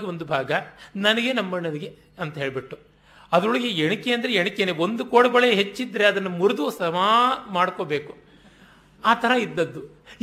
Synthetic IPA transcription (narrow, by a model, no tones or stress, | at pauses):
ɡeo̞nd̪ubʱaːɡɐnɐnɐɡenɐmːɐɳɐdiɡe | ɐnt̪ɐɦeːɭbiʈːu | ɐd̪ɐɾoɭɐɡeeɳikːeːɐnd̪ɐɾeeɳikːeneːo̞nd̪ukoːɽɐɡɔɭeɦet͡ʃːid̪ːɐɾe̞ɐd̪ɐnːɐmuɾud̪usɐmaːmaːɽkoːbe̞ːku | aːt̪ʰɐɾɐid̪ːɐd̪ːu